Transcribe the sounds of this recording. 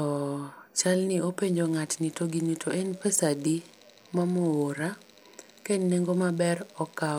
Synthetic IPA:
ɔt͡ʃalnɪopeɲd͡ʒoŋatnitoɡinutʰoʔɛnpɛsadi | mamoːɾa | kenneŋɡomabɛrɔka

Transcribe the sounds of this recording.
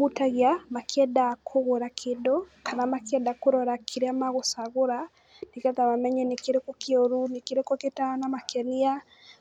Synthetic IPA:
utaɣiamakʰɛdakʰoɣoɾakʰedokanamakɛdakoɾɔɾakʰeɾeamaɣosaɣoɾa | nekɛtaβamɛɲɛnekeɾekokeoɾunekeɾekoketanamakʰɛnia

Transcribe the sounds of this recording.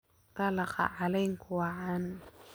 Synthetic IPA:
t̪ɑlɑqɑ̰ʕalɛjŋkʰʊwɑʕan

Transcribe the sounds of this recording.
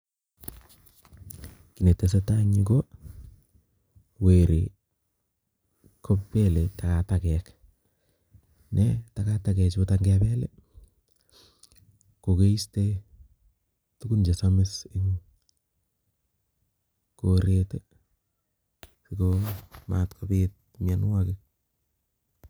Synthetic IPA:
kinetːesetaɲiko | weɾḛ | kʰoppeletakatakɛk | nɛtakatakɛt͡ʃbotaŋɡɛbɛlḛ | kokeiste | tukund͡ʒesamɪsɪŋ | koɾete | sikoma̰tkʰopɪt̚mɪɛnwakɪk̚

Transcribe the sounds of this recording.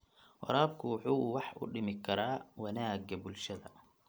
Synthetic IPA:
wɑ̰ɾaːbkʰʊwħuːwɑħʔʊ̰ɖɪmɪkʰɐɾaːwɐnaːɡɐbʊlʃɐðɐ

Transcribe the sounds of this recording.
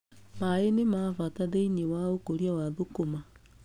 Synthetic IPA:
maenemafataðeiɲewaokoɾjawaðokoma

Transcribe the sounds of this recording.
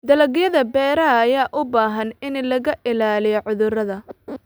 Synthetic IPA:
d̪ɐlɐɣjɐðɐbɛːɾɐːjaːʔʊbaːɦɐnɪnlɐɣɐʔɪlaːlɪjɔʕʊðʊrɐðɐ

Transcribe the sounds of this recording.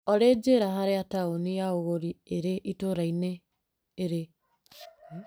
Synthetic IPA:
ɔɾed͡ʒeɾaɦaɾeataonijaoɣoɾieɾeʔitoɾaineː | ɾe

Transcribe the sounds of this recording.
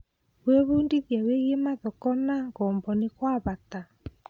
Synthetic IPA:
weβuːndiðjaweɣjemaðɔkɔnaŋɣɔːmbɔnekwaβata

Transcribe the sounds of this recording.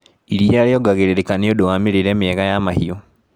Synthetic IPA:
iɾialioɡaɣeɾeɾekaneodowamiɾiɾeːmieɣajamahio

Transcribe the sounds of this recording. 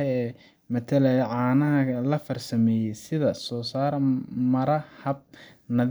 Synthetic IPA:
ɛɛː | mɐt̪ʰɐlɛjɐʕɑːnɐɦɐlɐfɐrsɐmɛːjɛjsɪðɐsɔːsaːɾmɐɾɐhɐb̚nɐð

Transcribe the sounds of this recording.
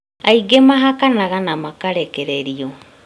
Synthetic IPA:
aiɡemaɦakanaɣanamakaɾɛkɛɾeɾio

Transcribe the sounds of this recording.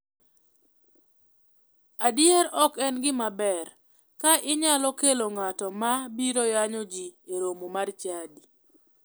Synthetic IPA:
adjeɾɔkɛnɡɪmabɛɾ | kaʔɪɲalɔkeloŋatɔmabiɾojaɲɔd͡ʒieɾomomart͡ʃadi

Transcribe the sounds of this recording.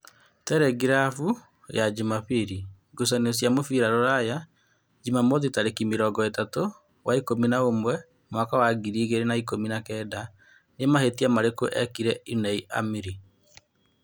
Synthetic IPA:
tɛɾɛɡiɾafu | jad͡ʒimapiɾi | ɡosanesjamofiɾaɾoɾaja | d͡ʒimamoðitaɾekimiɾɔːɡɔetato | wʔaikominaomwɛ | mwakawaɡiɾiːɣeɾenaikominakɛːda | nemahetiamaɾekoʔɛkiɾɛinɛiʔa̰miɾi

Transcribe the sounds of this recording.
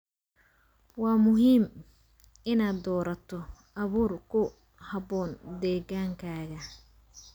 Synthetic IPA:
wɑːmʊɦiːm | ɪnaːd̪ɔːɾɐt̪ʰɔ | ɐβuːrkʰʊ | hɐbɔːnd̪ɛːɣaːŋkʰaːɣɐ

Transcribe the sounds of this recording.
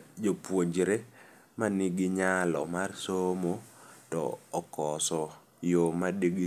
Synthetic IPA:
d͡ʒopwod͡ʒɾe | manɪɡɪɲalɔ̰marsomotɔ̰ːkɔsɔ | jomadiɡi

